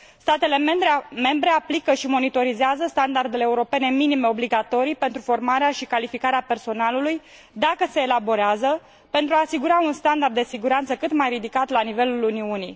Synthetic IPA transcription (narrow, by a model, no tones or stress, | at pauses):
st̪at̪e̞le̞membɾeme̞mbɾe̞aplikəʃimo̞nit̪o̞ɾizeazəst̪and̪ard̪e̞leːuɾo̞pe̞ne̞minime̞o̞bliɡat̪o̞ɾijpe̞nt̪ɾufo̞rmaɾeaʃikalifikaɾeape̞rso̞naluluj | d̪akəse̞ːlabo̞ɾeazə | pe̞nt̪ɾuaːsiɡuɾaunst̪and̪ard̪ːe̞siɡuɾant̪səkɨt̪majɾid̪ikat̪lanive̞luluniunḭj